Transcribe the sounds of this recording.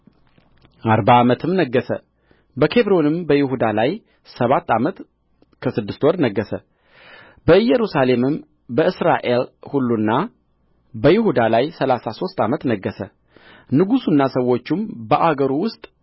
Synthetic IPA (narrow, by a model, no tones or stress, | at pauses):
ʔaɾbaːmət̪ʰɨmnəɡːəsə̰ | bəkʰe̞βɾo̞nɨmbəjɪhud̪alaj | səβat̪ʰːamət̪ | kʰəsɨd̪ːɨst̪wɔɾnəɡːəsə | bəjɛɾusalemɨm | bəɨsɾaʔe̞lhulːunːa | bəjɪhud̪alajsəlasaso̞st̪amət̪nəɡːəsə | nɨɡusunːasəwo̞t͡ʃːɪmbəʔaɡəɾuwʊst̪ʼ